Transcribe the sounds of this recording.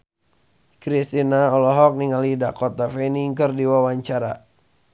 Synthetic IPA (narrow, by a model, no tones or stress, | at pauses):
kɾist̪inaɔlɔɦɔk̚niŋalidakɔt̪afɛniŋkərdiwawaɲt͡ʃaɾa̰